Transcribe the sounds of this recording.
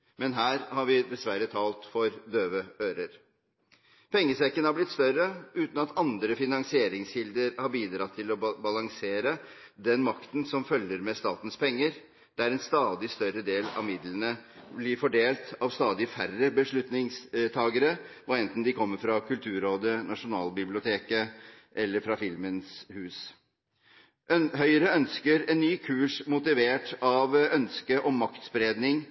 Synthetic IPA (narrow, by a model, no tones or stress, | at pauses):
mɛnɦæːɾhɑɾʋɪd̪ɛsʋæɾːət̪ʰɑːlt̪fɔɾd̪øːʋəøːɾəɾ | pʰɛŋːəsɛkːənhɑɾblɪt̪st̪œɾəʉːt̪n̩ɑt̪ɑnd̪ɾəfɪnɑŋsɪeːɾɪŋshɪld̪əɾhɑɾbiːd̪ɾɑt̪ʰːɪlɔbɑlɑŋseːɾə | d̪ɛnmɑkt̪n̩sɔmfœljːəɾmɛst̪ɑːt̪n̩spʰɛŋːəɾ | d̪̥ɛæɾɛnst̪ɑːd̪ɪst̪œɾəd̪eːlɑ̰ʋmɪd̪lənəblɪɾfɔɖeːlt̪ɑʋst̪ɑːd̪ɪfærəbəʂɭʉt̪nɪŋst̪ʰɑːɡəɾə | ɔɛnt̪n̩d̪ɪkʰɔmːəɾfɾɑkʰʉlt̪ʰʉːɾoːd̪ənɑʂʊnɑːlbɪblɪʊt̪ʰeːkəʔɛlːəɾfɾɑfɪlmənshʉːs | ʔhœʏɾəœnskəɾɛnːyːkʰʉːʂmʊt̪ɪʋeːʈɑʋœnskəʔɔmːɑkt̪sbɾeːd̪nɪŋ